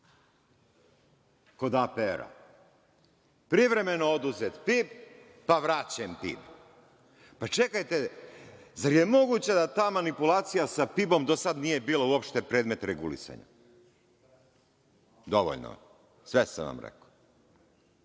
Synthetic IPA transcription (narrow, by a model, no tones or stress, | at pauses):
ko̞d̪apeɾa̰ | pɾiʋɾe̞me̞no̞od̪uzet̪piːpː | aʋɾat͡ɕempḭb | pat͡ʃe̞kajt̪e | zaɾje̞mo̞ɡuːt͡ɕad̪at̪aːmanipulˠaːt̪sijasapibo̞md̪osad̪nije̞biːlouo̞pʃt̪epɾe̞ːd̪me̞t̪ɾeɡṵlḭsa̰ɲa̰ | d̪oʋo̰ʎno̰ | sʋesa̰ʋa̰mɾḛko̥